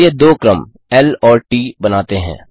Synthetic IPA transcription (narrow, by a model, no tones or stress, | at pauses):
ed̪oːkɾəm | ɛlɔːɾʈiːbɐnaːt̪eɦɛ̰̃ː